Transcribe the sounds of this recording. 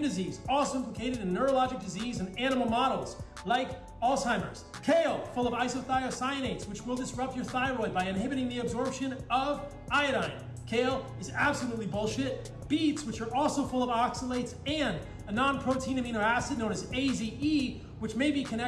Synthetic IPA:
mdɨzizɔlˠsoʊɪ̃mpləkʰeɪɾɨɾɨ̃nːə˞olɑd͡ʒɨk̚d̥ɨzizɨ̃næñəml̩ˠmɑɾl̩ˠz̥ | laɪk | ɔlˠsãɪ̃mə̰˞z̥ | kʰeɪlˠfʊlˠʌvaɪsoθaɪosãɪ̃neɪtswɨt͡ʃwəlˠdɨsɹʌp̚t͡ʃə˞θaɪɹɔɪbaɪɨ̃nɦɪbɨɾɪ̃ŋðiɨbzɔɹpʃɨ̃nʌv | aɪɨɾãɪ̃n | kʰeɪlˠɨzæb̥səlutˡlibʊlˠʃɪt̚ | b̥itswɨt͡ʃə˞ʔɔlˠsoʊfʊlˠʌvɑksəleɪtsɨ̃n | ɨnɑ̃npʰɹ̥oʊtʰĩnɨmĩɾ̃oʊæsɨdⁿnõʊ̃nɨzeɪzii | wɨt͡ʃmeɪbikʰɨ̃nɛ

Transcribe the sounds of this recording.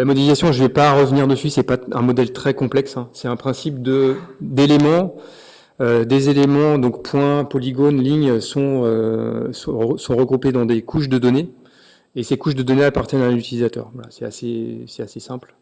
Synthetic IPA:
lamɔd̪ifikasjɔ̃ʒəvɛpaʁəvniʁd̪əsɥisɛpaɛ̰̃mɔd̪ɛlt̪χɛkɔ̃plɛksɛ̃sɛt̪ɛ̃pχɛ̃sipd̪əd̪elemɑ̃ | ød̪ezelemɑ̃d̪ɔ̃kpwɛ̃pɔliɡonliɲøsɔ̃øsɔ̃sɔ̃ʁəɡʁuped̪ɑ̃d̪ekʰuʃd̪əd̪ɔne | esekuʃd̪əd̪ɔneapaʁt̪jɛnanyt̪ilizat̪œ̰ːʁvwala̰sɛasesɛ̥t̪asesɛ̃pl

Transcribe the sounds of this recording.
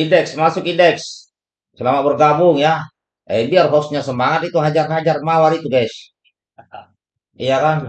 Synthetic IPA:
indɛksmasʊkindɛks | səlamabərɡabʊŋja | ɛ̰biarɦɔsɲasəmaŋat̪it̪uɦad͡ʒarɦad͡ʒarmawaɾit̪uɡɛʃ | ijakan

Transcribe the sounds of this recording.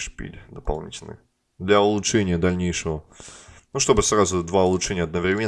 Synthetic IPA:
ʂpʲḭlʲd̪əpɐlˠnʲḭtʲɪlʲnə̰j | d̪lʲaʊlˠʊtʂɛnʲɪjəd̪ɐlʲnʲejʂəvənuʂt̪o̞bɨsrazʊd̪vaʊlˠʊt͡ʂʂɛnʲɪjəɐd̪̚nəvɾʲɪmʲe

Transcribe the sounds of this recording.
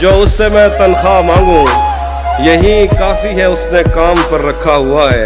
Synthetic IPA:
d͡ʒoːʊsːemɛ̃t̪ɐnxamãːŋɡũː | jɐɦĩkaːfiɦɛʊsnekaːmpɐɾːɐkʰːaɦʊaɦɛː

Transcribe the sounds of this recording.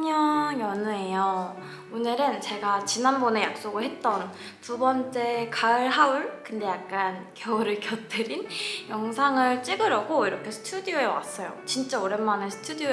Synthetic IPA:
ɲʌŋjʌnuejʌ | onɯɾɯnt͡ɕe̞ɡat͡ɕinanbone̞ja̰k̚s͈oɡɯɭhɦe̞t̚t͈ʌn | tubʌnt͡ɕ͈e̞kaɯɭɦauɭkɯnde̞jak̚k͈ankjʌɾɯkjʌt͈ʰɯɾinjʌŋsʰaŋɯɭt͡ɕ͈iɡɯɾʌɡoiɾʌkʰe̞sʰɯ̥tʰudioewa̰s͈ʌjo̰t͡ɕint͡ɕ͈aoɾe̞nmanɯnsʰɯ̥tʰudio

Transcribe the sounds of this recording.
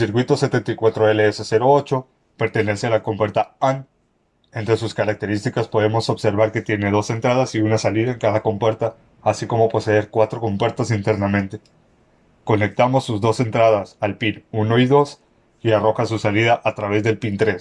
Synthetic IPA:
siɾkwit̪o̞se̞t̪ent̪ajkwat̪ɾoeleese̞se̞ɾo̞ot͡ʃo̞ | pe̞ɾt̪e̞ne̞sealako̞mpwe̞ɾt̪aan | e̞nt̪ɾe̞suskaɾak̚t̪e̞ɾist̪ikaspo̞ðe̞mo̞so̞βse̞ɾβaɾke̞t̪je̞ne̞ð̞o̞se̞nt̪ɾað̞asiunasaliðaeŋkaðako̞mpwe̞ɾt̪aː | siko̞mo̞po̞se̞ðe̞ɾkwat̪ɾo̞ko̞mpwe̞ɾt̪asint̪eɾnamẽ̞nt̪e̞ | ko̞ne̞k̚t̪amo̞sːuzðo̞se̞nt̪ɾað̞asalpinuno̞iðo̞s | iaro̞xasusaliðaʔat̪ɾaβ̞e̞zðe̞lpint̪ɾe̞s

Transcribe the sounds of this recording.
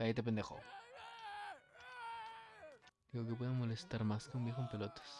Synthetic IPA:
ait̪̬ep̬end̪exo̰ | d̪iɣokepweðemo̞lest̪aɾmaskeumbjexompelot̪e̥s

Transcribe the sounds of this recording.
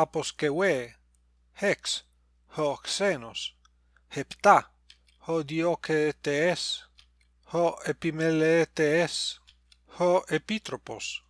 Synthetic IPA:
aposkewe | heks | hoksenos | hept̪a | hod̪iokʰet̪ees | hoepimelet̪ees | hoepit̪ɾopo̰s

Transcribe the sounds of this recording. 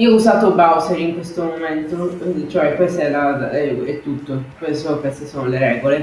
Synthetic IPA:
iːouzaːt̪obawseɾiŋkwest̪omoment̪ot͡ʃoɛkːest̪ɛlaɛɛt̪ːut̪ːokesokwest̪esoːnoleɾɛːɡole

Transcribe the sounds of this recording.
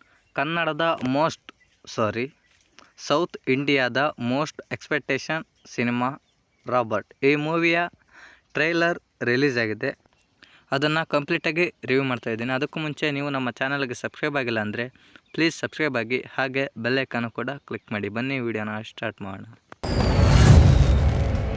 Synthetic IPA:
kɐnːɐɽɐd̪ɐmo̞ːsʈ | saːɾi | sɐwt̪ʰiɳɖijaːd̪ɐmo̞ːsʈekspek̚ʈeːʃɐn | sinimaː | ɾaːbɐɾʈiːmuːʋijɐ | ʈɾɐjlɐɾ | ɾiliːd͡ʒaːɡid̪e̞ | ɐd̪ɐnːɐkɐmpliːʈaːɡiɾiʋumaːɖt̪aːjd̪iːniɐd̪ɐkːumuɲt͡ʃe̞niːʋunɐmːɐt͡ʃaːnɐlɡe̞sɐbskɾɐjbaːɡilːɐːnd̪ɐɾe̞ | pliːd͡ʒsɐbskɾɐjbaːɡihaːɡe̞belːekːɐnːukuːɽɐklikmaːɽibɐnːiʋiːɖijoːnɐsʈaːɾʈma̰ːɽɳɐ

